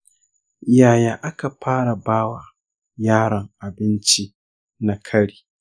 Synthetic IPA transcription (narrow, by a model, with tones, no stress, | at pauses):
jaː˨jaː˨ʔa˦ka˨ɸaː˦ɽa˨baː˦wa˨ | jaː˦ɽɐ˨ŋʔa˨bɪ˦nt͡ʃi˦ | na˨kʰɐ˦ɽiː˨